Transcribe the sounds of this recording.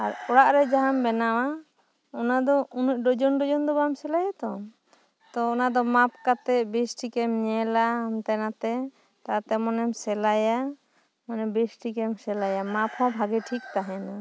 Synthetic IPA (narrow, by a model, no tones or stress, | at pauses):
aɾɔɽaʔɾɛd͡ʒaɦambɛnawa | ɔnad̪ɔʔunuc̚ˀɖɔd͡ʒɔnɖɔd͡ʒɔnd̪ɔbamsɛlajat̪ɔ | t̪ɔɔnad̪ɔmap̚kat̪ɛbisʈikɛmɲɛlaamt̪ɛnat̪ɛ | t̪at̪ɛmɔnɛmsɛlaja | manɛbisʈikɛmsɛlajamaphɔ̃bʱaɡɛʈʰik̚t̪aɦɛna